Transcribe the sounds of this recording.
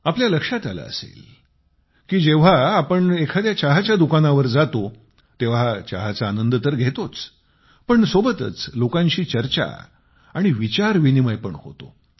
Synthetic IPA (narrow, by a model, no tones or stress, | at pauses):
apljaləkʂat̪ala̰ə̰sḛl | kiːd͡ʑeʋ̤aːpəɳekʰad̪jat͡ɕaɦat͡ɕjad̪ukanaʋəɾd͡zat̪o | t̪eʋ̤aat͡ɕaɦat͡saːnənd̪t̪əɾɡʱet̪ot͡s | pəɳsobət̪ə̰t͡slokãɲt͡ɕiːt͡ɕəɾt͡ɕa̰ | aɽ̃iʋit͡ɕaɾʋiniməjpəɳho̰t̪o̰